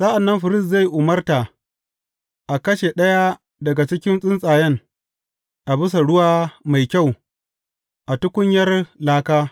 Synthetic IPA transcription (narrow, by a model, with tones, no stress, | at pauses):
sʼɐ˦ʔa˨nːɐ˦mɸɪ˨ɾɪ˦˨s̬za˦˨jʔʊ˨mɐ˦rta˨ | ʔa˨kɐ˦ʃe˨ɗɐ˦ja˦ | dɐ˨ɡa˨t͡ʃɪ˦kʲɪ˦nsʼɪ˦nsʼaː˨jɛ˦ŋ | ʔa˨bɪ˦s̬a˨ɽʊ˦waː˦ma˨jkʲa˦˨w | ʔa˨tʊ˦kʷʊ˦ɲjɐ˦rlaː˦kaː˦